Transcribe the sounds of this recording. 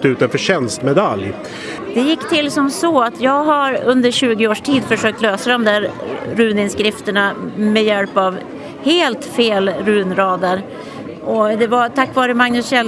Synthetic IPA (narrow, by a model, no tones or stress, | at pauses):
t̪ʉ̟ːt̪anfœɕɛnst̪mɛd̪alj | d̪̥ɛjɪkːt̪ʰɪlːsɔmsɔat̪ʰjɑːɡɦaɾɵnd̪əɾɕʉ̟ːɡɪoːʂʈʰiːd̪fœʂøːk̚t̪løːsad̪ɔmd̪æɾɾʉ̟ːnɪnskɾɪft̪əɳamɛjɛlpav | heːlt̪feːlɾʉ̟ːnɾɑːd̪əɾ | ʔɔd̪ɛvat̪ʰakːvɑːɾəmaŋnɵsɕɛl